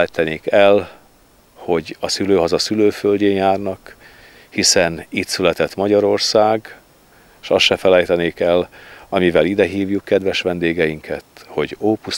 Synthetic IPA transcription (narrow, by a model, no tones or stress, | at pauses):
ɛjt̪ɛneːkɛl | ho̞ɟɒsyløːɦɒzɒsyløːfølɟeːnjaːrnɒk | hisɛnit̪sylɛt̪ɛt̪mɒɟɒɾo̞rsaːɡ | eʃɒsʃɛfɛlɛjt̪ɛneːkɛlɒmivɛlid̪ɛɦiːvjukːɛd̪ʋɛʃʋɛnd̪eːɡɛjiŋkʰɛt̪ho̞ɟoːpus